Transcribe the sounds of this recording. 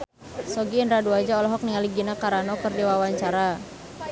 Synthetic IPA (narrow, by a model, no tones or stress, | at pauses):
sɔɡiːndɾaduad͡ʒaɔlɔɦɔk̚niŋaliɡinakaɾanɔkərdiwawaɲt͡ʃaɾa